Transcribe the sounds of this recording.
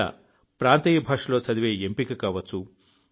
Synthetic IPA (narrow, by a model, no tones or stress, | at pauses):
ɐ̰ | pɾaːnt̪ɐjɐbʱaːʂɐlo̞ːt͡sɐd̪iʋeːempikikaːʋɐt͡sːu